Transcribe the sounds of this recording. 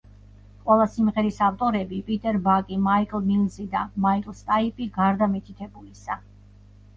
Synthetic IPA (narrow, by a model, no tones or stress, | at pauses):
qʼwɛlˠasimʁɛɾisaft̪ʼɔɾɛbipʼit̪ʼɛɾbakʼimaikʼlˠmilzid̪amaikʼlˠst̪ʼaipʼiɡaɾd̪amit̪ʰit̪ʰɛbulisa